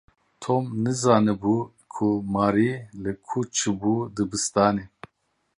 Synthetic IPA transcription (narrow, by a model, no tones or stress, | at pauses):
t̪ʰoːmnɨzaːnɨbu | kʰumaːɾilɨkʰut͡ʃʰɨbuːd̪ɨbɨst̪aːne